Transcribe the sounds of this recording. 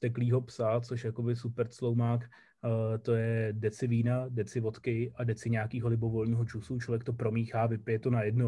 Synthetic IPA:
t̪ɛkliːɦo̞psat͡soʃjako̞bɪsupɛɾt͡slo̞wmaːkː | t̪o̞jɛdɛt͡sɪviːnadɛt͡sɪvo̞t̪kɪʔadɛt͡sɪɲeakiːɦo̞lɪbo̞vo̞lɲiːɦo̞t͡ʃusut͡ʃlo̞vjɛkt̪o̞pɾo̞miːxaːvɪpɪjɛt̪o̞najɛdno

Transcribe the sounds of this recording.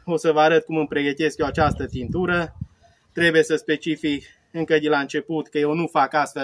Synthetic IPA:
o̞səvəaɾət̪̚kumɨmpɾe̞ɡət̪e̞skjoat͡ʃast̪ət̪int̪uɾə | t̪ɾe̞bujesəspe̞t͡ʃifik | ɨŋkəd̪elaɨnt͡ʃe̞put̪kəje̞wnufakast̪fe

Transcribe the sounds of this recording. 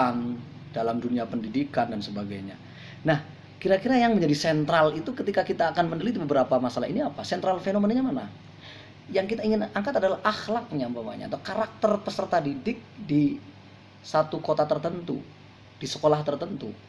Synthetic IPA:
and̥alamduniapəndidikandansəbaɡajɲa̰ | nah | kiɾakiɾajaŋməɲd͡ʒadisɛnt̪ɾalit̪ukət̪ikakit̪aːkanməndəlit̪ibəbəɾapamasalaɦiniapasɛnt̪ɾalfenomənɲamana | jaŋkit̪aiŋɪnaŋkat̪adalahʔaxlak̚ɲambama̰ɲa̰a̰t̪akaɾak̚t̪ərpəsərt̪adidɪk̚di | sat̪ukot̪at̪ərt̪ənt̪ṵ | d̥isəkolaht̪ərt̪ənt̪u

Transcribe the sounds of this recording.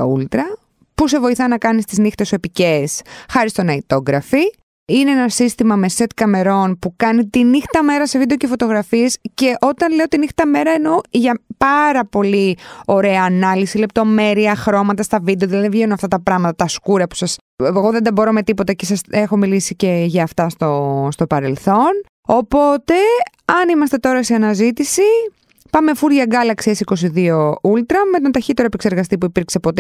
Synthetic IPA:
ṵlt̪ɾɐ | puse̞vo̞iθɐnɐkɐnist̪iznixt̪esue̞pice̞sxɐɾist̪o̞nɐit̪o̞ɣɾɐfi | ineenɐsist̪imɐmese̞t̪kɐme̞ɾo̞npukɐnit̪inixt̪ɐme̞ɾɐse̞vid̪eocefo̞t̪o̞ɣɾɐfiesce̞ʔo̞t̪ɐnle̞ot̪inixt̪ɐme̞ɾɐeno̞ʝɐpɐɾɐpo̞lio̞ɾe̞ɐːnɐlisile̞p̚t̪o̞me̞ɾiɐxɾo̞mɐt̪ɐst̪ɐvid̪eoðilɐðivʝenuɐft̪ɐt̪ɐpɾɐɣmɐt̪ɐt̪ɐskuɾɐpu̥sɐs | eɣo̞ðend̪ɐbo̞ɾome̞t̪ipo̞t̪ɐcesɐsexo̞milisice̞ʝɐːft̪ɐst̪o̞st̪o̞pɐɾe̞lθo̞n | o̞po̞t̪e̞ | ɐnimɐst̪e̞t̪o̞ɾɐseɐnɐzit̪isi | pɐme̞fuɾʝɐɡɐlɐksiesiko̞siðio̞ult̪ɾɐmet̪ont̪ɐçit̪e̞ɾoepekse̞ɾɣɐst̪ipuipiɾkse̞po̞t̪e

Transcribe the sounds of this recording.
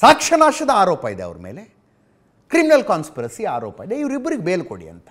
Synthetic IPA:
saːkʂɐnaːʃɐd̪ɐaːɾoːpɐid̪eɐ̰ʋɐɾɐme̞̰ːle | kɾiminɐlkaːnspɐɾɐsiaːɾoːpɐid̪eiʋɐɾibːɐɾiɡebeːlkoɽḭɐ̰nt̪ɐ̥

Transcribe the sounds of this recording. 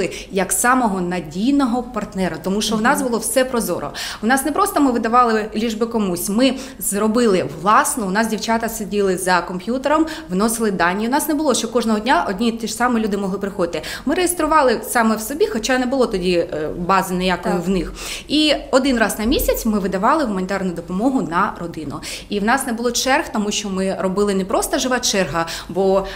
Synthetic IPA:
ɪ | jɐksɑmɔɦɔnɐdʲijnɔɦɔpɐrt̪nɛɾɐt̪ɔmuʃt͡ʃɔwnɑzbʊlˠɔwsɛpɾɔzɔ̰ɾɔ̰ʊnɑsnɛpɾɔst̪ɔmɪʋɪd̪ɐʋɑlˠɪlʲiʒbɪkɔmusʲmɪ | zrɔbɪlˠɪʋlˠɑsnɔʊnɑs̬dʲiwt͡ʃat̪ɐsedʲilˠɪzɐkɔmpʲjut̪eɾɔmʋnɔsɪlˠɪd̪ɑnʲːjʊnɑsnɛbʊlˠɔʃt͡ʃɔkɔʒnɔɦɔdʲnʲaʔɔdʲnʲit̪iʃsɑmɪlʲud̪ɪmɔɦlˠɪpɾɪxɔd̪ɪt̪ɪmɪɾejest̪ɾʊʋɑlˠɪsɑmɛwsɔbʲixɔt͡ʃɑnɛbʊlˠɔt̪ɔdʲibɑzɪnejakɔjʊwnɪx | iɔd̪ɪnrɑznɐmʲisʲɐt͡sʲmɪʋɪd̪ɐʋɑlˠɪʋʊmɐnʲɪt̪ɛrnʊd̪ɔpɔmɔɦʊnɐrɔd̪ɪnʊ̰iwnɑsnɛbʊlˠɔt͡ʃɛrxt̪ɔmuʃt͡ʃɔmɪrɔbɪlˠɪnɛpɾɔst̪ɔʒɪʋɑt͡ʃɛrɦɐbɔ

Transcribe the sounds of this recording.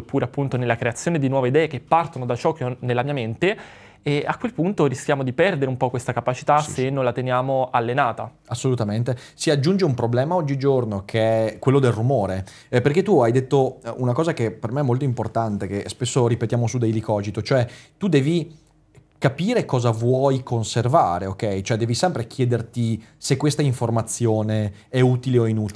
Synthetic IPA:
pːuːɾeapːunt̪onelːakɾeat̪sjoːned̪inwɔːveid̪ɛːek̟epːart̪onod̪at͡ʃɔːk̟enelːamiːament̪e | ɛakːwelpunt̪orisk̟ʲjaːmod̪ipɛrd̪eɾeumpɔkːwest̪akapat͡ʃi̥t̪asenːõnlat̪enjaːmoalːenaːt̪a̰ | asːolut̪ament̪esiad͡ʒːund͡ʒeumpɾoblɛːmaɔd͡ʒːid͡ʒornokʰeɛkwelːod̪elrumoːɾe | perk̟et̪ːuajd̪et̪ːounakɔːzakepermeɛmolt̪oimport̪ant̪ekespesːoɾipet̪jaːmosud̪ejlikɔːzit̪ot͡ʃoɛt̪ud̪ɛːvi | kapiːɾekɔːzavwɔjkʰonservaːɾeokɛjt͡ʃoɛd̪ɛːvisɛmpɾek̟jɛːd̪ert̪isekːwest̪aiɱformat̪sːjoːne | ɛuːt̪ileoinuːt̪

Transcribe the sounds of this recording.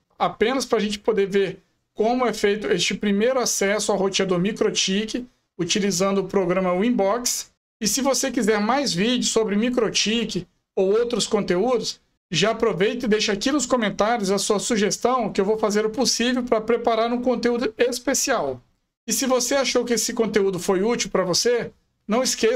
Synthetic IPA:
apẽnɐspɾɐʒẽnt͡ʃɪ̥pod̪eɾveɾ | kõmʊɛfejt̪ʊest͡ʃɪpɾimejɾʊasɛsʊawhot͡ʃĩɐd̪ʊmikɾot͡ʃikɪ | ut͡ʃilizɐ̃nd̪ʊʊpɾoɡɾɐ̃mɐwĩbɔks | ɪsɪvosekizɛɾmajzvid͡ʒɪʊsobɾɪmikɾot͡ʃikɪ | owowt̪ɾʊskõnt̪eud̪ʊs | ʒaːpɾovejt̪ɪd̪ejʃɐakinʊskõmẽnt̪aɾjʊzɐsuɐsuʒest̪ɐ̃w̃ʊkɪewvowfazeɾʊposivewpɾɐpɾepaɾaɾũkõnt̪eud̪ʊespesiaw | ɪsɪvoseaʃowkɪesɪkõnt̪eud̪ʊfojut͡ʃiwpɾɐvose | nɐ̃w̃ɪske

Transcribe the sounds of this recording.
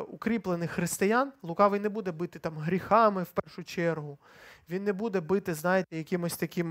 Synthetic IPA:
ʊkɾʲiplˠenɪxxɾɪst̪ɪjaɑnlˠʊkɑʋɪjnebud̪ɛbɪt̪ɪt̪ɑmɦɾʲixɑmɪwpɛrʃʊt͡ʃɛrɦʊ | ʋʲinːebud̪ɛbɪt̪ɪznɑjet̪ɛjɐkʲimɔsʲt̪ɐkʲim

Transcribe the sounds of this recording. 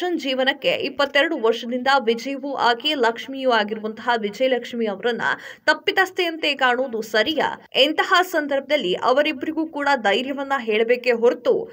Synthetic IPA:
ɐnd͡ʒiːʋɐnɐkːḛʔipːɐt̪ːɛɾɐɽuʋɐɾʂɐd̪ind̪ɐʋid͡ʒɐjɐʋuʔaːkelɐkʂmijuaːɡiɾuʋɐnt̪ɐɦaʋid͡ʒɐjlɐkʂmiɐʋɐɾɐnːṵt̪ɐpːit̪aːst̪eɐnt̪ekaːɳoːd̪usɐɾija̰ent̪ɐɦasɐnd̪ɐɾbʱɐd̪ɐlːiʔɐʋɐɾibːɐɾiɡuːkuːɽɐd̪ɐjɾjɐʋɐnːɐɦeːɭɐbe̞ːkeɦoɾt̪ṵ

